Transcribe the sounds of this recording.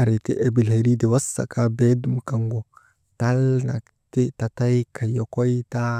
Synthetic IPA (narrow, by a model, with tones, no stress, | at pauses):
a˨ɾe˨tḭ˦ʔa˨bi˨lha˨ɾi˦de˨wa˦sːa̰˨kʰa˦be˦du˦mka˨ŋɡo˨ | ta˦lna̰˨ | ti˦ta˨ta˦jkʰa˨jo˨ko˦i˦ta˦